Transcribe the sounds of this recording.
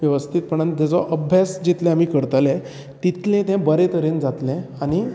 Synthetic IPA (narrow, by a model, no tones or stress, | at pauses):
ʋjəʋəst̪ʰit̪̚pəɳənt̪at͡sɔʔəbʱjasd͡ʑit̪lɛ̃am̤iːkəɾt̪lɛ | t̪it̪lẽt̪ɛ̃bəɾet̪əɾend͡zat̪lɛ̃añi